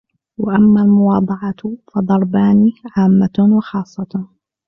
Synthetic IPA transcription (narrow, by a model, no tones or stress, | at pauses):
waʔamːalmʊwɑːd̪ˤʕɑfɑd̪ˤɑɾˤbaːniːʕaːmːawɑxɑːsˤːɑ